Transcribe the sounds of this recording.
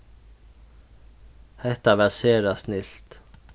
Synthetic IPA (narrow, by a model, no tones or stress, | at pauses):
hɛt̪ɑʋæseːɾɑsnɪlt̪